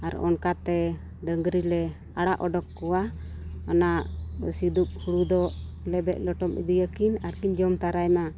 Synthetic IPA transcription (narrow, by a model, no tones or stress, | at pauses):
aɾɔ̰nkat̪ɛ | ɖəŋɡɾilɛ | aɽaʔɔɖɔkːuwaanaʔsid̪up̚huɽud̪ɔʔ | lɛbɛʔ̪̚lɔʈɔmḭd̪ijəkinaɾkiɲd͡ʒɔmt̪aɾajma